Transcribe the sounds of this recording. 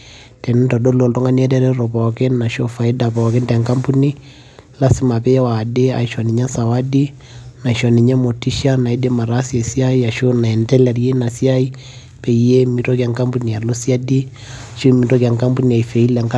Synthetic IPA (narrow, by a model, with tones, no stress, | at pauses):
tɛ˨n˦ntɔ˨do˦lo˨ltɔ˦ŋa˦ni˦a˦tɛ˦ɾɛ˦ɾɔ˨bɔ˨kɛ˦nːa˨ʃo˦fa˨i˦da˨bɔ˨kɪ˦ndɛ˨ŋka˦mpu˦ni˦ | la˦si˦ma˨pɛ˦wa˨de˦a̰˨i˦ʃɔ˨ni˨ɲɛ˦sa˨wa˦di˦ | na˨i˨ʃɔ˨ni˨ɲɛ˦mo˨ti˦ʃa˦na˨i˦de˦ma˨ɾa˦si˦ɛ˨si˦a˦i˦a˨ʃo˦na˨ɛ˨ntɛ˦lɛ˨rje˦na˨si˦a˦i˦ | pɛ˨˦je˦mi˨to˦kɛ˨ŋka˦mbu˦ni˨a˨lo˦si˦a˦di˦ | a˨ʃo˦mi˨to˦kɛ˨ŋka˦mbu˦ni˨a˨i˨fe˨i˦lɛ˨ŋka